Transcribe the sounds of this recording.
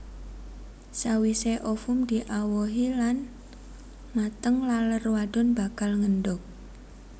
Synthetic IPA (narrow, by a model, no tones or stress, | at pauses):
sawiseʔɔfʊmd̪̥iʔawɔɦilan | mat̪əŋlalərwaɖ̥ʊnba̤kalŋənɖʊk̚